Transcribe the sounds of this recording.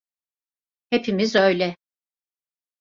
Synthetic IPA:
hepʰimizø̞jlʲɛ

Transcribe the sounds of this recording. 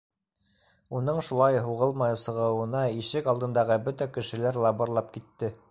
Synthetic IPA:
unɤɴʃulˠɑjɦuʁɤlˠmɑjɤsɤ̆ʁɤ̆wɤ̆nɑiʃɘkɑlˠd̪ɤ̆nd̪ɑʁɤbɵt̪ækɘ̆ʃɘ̆læɾlˠɑbɤ̆ɾlˠɑp̚kit̪ːɘ

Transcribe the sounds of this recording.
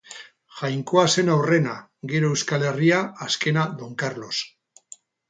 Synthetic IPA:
ʝajŋko̞ase̞nawre̞na | ɡeɾo̞ewskale̞riaaske̞naðo̞ŋkarlo̞s

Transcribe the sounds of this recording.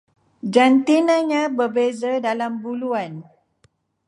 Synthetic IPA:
d͡ʒant̪inãɲãbərbezadalambuluan

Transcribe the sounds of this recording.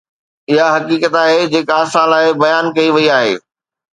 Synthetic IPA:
ɪɦaɦɐkiːkət̪aːɦed͡ʑeːkaːsãːlaːɦebɐjaːnkɐiʋɐiaːɦḛː

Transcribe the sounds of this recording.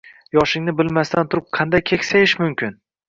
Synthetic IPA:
jɒʃɪŋnɪbɪlmast̪ant̪ʰʊɾɪp̚qʰɑnd̪ajkʲʰekʲsajɪʃmʊmkʲɪn

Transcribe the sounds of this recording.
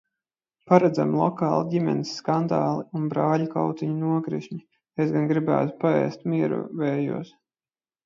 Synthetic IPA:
paɾɛd̪za̰mlˠɔkɑːlˠaɟʲimʲɛ̰nisːkand̪aːlˠiunbɾaːʎʲukawt̪iɲunuɔɡɾḭʃɲi | esɡanɡɾibæ̰ːt̪u̥paɛ̰ːst̪̚miɛɾṵvɛːjṵɔs

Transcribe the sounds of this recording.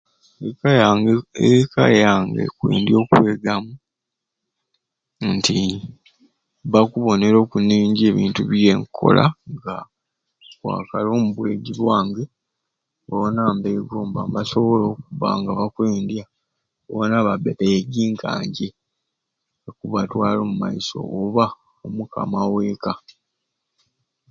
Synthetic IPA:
ek | eka̰jaŋɡḛkwḛːndjo̞ːkwe̞ːɡamu | nti | βakuβo̞ne̞ɾo̞ːkunːiːɲɟie̞ːβḭːntuβje̞ŋkʰo̞̰lʔa̰ŋɡa | kwa̰ːkalo̞ːmuβwe̞ɟiβwaːŋɡe | βaonaːmbeːɡoːmbambaso̞βo̞lo̞ːkuβa̰ŋɡaβakweːndja | βaonaβabeβeɡiːŋkʰa̰ːɲɟe̞ | kuβatwaːlo̞ːmuma̰iso̞̰ːβa | omukʰa̰mawe̞ːka

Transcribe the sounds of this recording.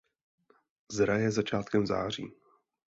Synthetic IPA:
zɾajɛzat͡ʃaːt̪kɛmza̰ːr̝ḭː

